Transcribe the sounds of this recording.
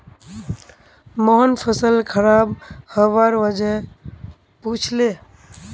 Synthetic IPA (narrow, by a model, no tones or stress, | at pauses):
moɦənpʰəsəlkʰəɾabhəʋaɾʋəd͡ʒe | put͡ʃʰle